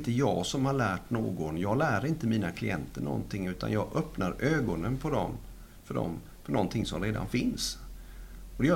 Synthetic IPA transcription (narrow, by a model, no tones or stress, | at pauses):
nt̪əjɑːɡsɔmhaɭæːʈno̰ːɡɔnjɑːɡlæːɾaɪnt̪əmiːnakʰlɪ̰jɛnt̪əɳɔ̰nt̪ʰɪŋːʉ̟ːt̪ʰa̰njɑːɡʔœpnaɾøːɡɔnənpʰɔd̪ɔm | fœɖɔ̰m | fɔɳɔnt̪ʰɪŋsɔmɾeːd̪a̰nfɪns | ɔd̪ɛj